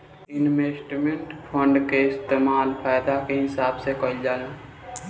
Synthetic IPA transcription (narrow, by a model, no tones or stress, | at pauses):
ɪnmeːsʈmẽɳʈpʰə̃ɳɖkeɪst̪eːmaːlpʰaːjd̪akeɦɪsaːbsekəld͡ʒaːloː